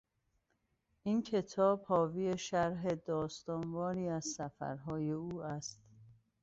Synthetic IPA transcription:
ʔiːncʰe̞t̪ʰɒːb̥hɒːviːeʃæɾɦed̪ɒːst̪ɒːnvɒːɾiːæzsæfæ̰ɾɦɒːjeuːæst̪

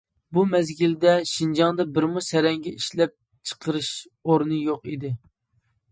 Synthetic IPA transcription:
bumɛzɡʲild̪ɛʃind͡ʒɑŋd̪ɑbɪɾmusɛɾɛŋɡʲɛiʃlɛp̚ | t͡ʃʰə̥qʰəɾɨʃ | oɾnɨjoqid̪ɪ

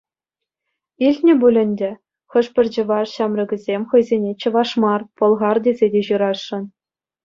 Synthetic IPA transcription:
ilʲtʲnʲɘ̆bulʲɘ̆nʲdʲɘ̆ | xɤ̆ʂpʲɘ̆rʲd͡ʑɘ̆ʋɑrɕɑmrʲɤ̆ɡʲɘ̆zʲemʲχɤ̆jzʲenʲet͡ɕɤ̆ʋɑʂmɑrpɤ̆lˠʁɑrdʲezʲedʲeʑɯɾɑʂːɤ̆n

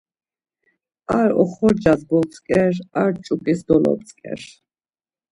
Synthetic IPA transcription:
aɾɔχɔɾd͡ʒazɡɔlt͡sʼkʼɛɾaɾt͡ʃʼukʼisd̪ɔlɔ̰p̚t͡sʼkʼɛ̰ɾ

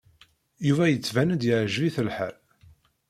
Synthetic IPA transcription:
juvæjət͡sːvænəd̪jɪʕʒviθəlħa̰l

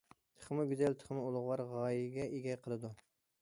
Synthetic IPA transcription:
t̪ʰə̥χmɨɡʲyzælt̪ʰə̥χmɨolˠʊʁwɑɾʁɑːjiɡʲɛeɡʲɛjqʰəlˠɨd̪u

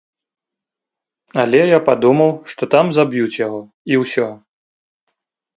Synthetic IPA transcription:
ɐlʲɛjapad̪umɐwʂt̪ɔt̪amzabjut͡sʲjaɣɔ | iwsʲɔ

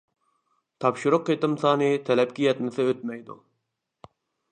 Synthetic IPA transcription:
t̪ʰɑpʃʊɾʊqːet̪ɪmsɑːnɨt̪ʰɛlɛp̚kʲijɛt̪nɪsɪøt̪̚mɛjd̪ṵ

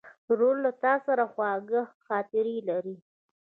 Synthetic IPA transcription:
ɾollːat̪ɑsaɾaxwɑɡəhxɑt̪ɪɾilaɾi

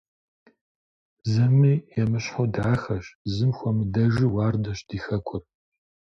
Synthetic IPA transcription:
zɐmiːjɛmɨɕħodaːxɐɕzɨmxʷɔmɨdɐʒɨwaːrdɐɕd̥iːxɐkʷʰʊr

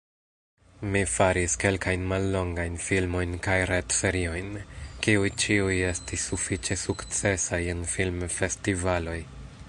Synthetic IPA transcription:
mifaɾiske̞lkajnmalːo̞ŋɡajnfilmo̞jnkajɾetse̞ɾio̞jnkiujt͡ʃiuje̞stisːufit͡ʃe̞sukt͡se̞sajenfilmfe̞stivalo̞j

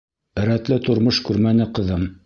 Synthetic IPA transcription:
ɘ̆ɾæt̪lɘt̪ŏɾmoʃkʉɾmænɘqɤ̆ðɤm

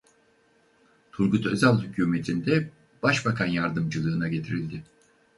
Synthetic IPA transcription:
t̪ʰuɾɡut̪øzalˠhycʰuːme̞t̪ʰind̪ɛ | b̥aʃbakʰanjaɾd̪ɯmd͡ʒɯlˠɯːnaɟe̞t̪ʰiɾilʲd̪ɪ

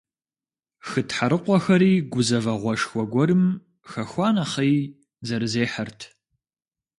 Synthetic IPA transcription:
xɨtʰħaɾɨqʷɔxɐɾiːɡʷʊzɐvɐʁʷɔʂxʷɔɡʷɔɾɨm | xɐxʷɑːnɐχij | zɐɾɨzeːħɐrtʰ

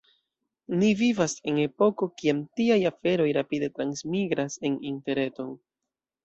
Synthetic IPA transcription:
nivivase̞ne̞po̞ko̞kiamtiajafe̞ɾo̞jɾapide̞tɾansmiɡɾase̞ninte̞ɾe̞to̞n

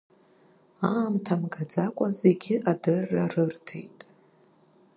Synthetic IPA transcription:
aːmtʰamɡad͡zakʷʼaze̞ɡʲɪʔadɨrːarɨrtʰḛjtʼ

